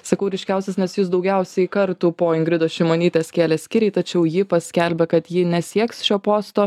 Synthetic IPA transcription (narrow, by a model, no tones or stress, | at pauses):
sɐkɐʊɾʲɪʃʲkʲæˑʊsʲɛsnʲɛsjʊsd̪ɒʊɡʲɛˑʊsʲɛɪkɐɾt̪uːpoːɪŋɡɾʲɪd̪oːʃʲɪmoːnʲiːt̪ʲeːskʲeːlʲɛsʲkʲɪɾʲɛɪt̪ɐt͡ʃʲɛʊjɪpɐsʲkʲɛlʲbʲɛkɐt̪jɪnʲɛsʲiɛksʃʲoːpoːst̪oː